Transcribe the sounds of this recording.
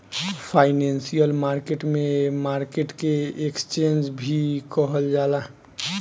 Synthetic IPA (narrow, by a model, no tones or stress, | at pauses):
pʰaɪnensijəlmaɾkeʈmẽmaɾkeʈkeekst͡ʃend͡ʒbʱikɔɦəld͡ʒaːla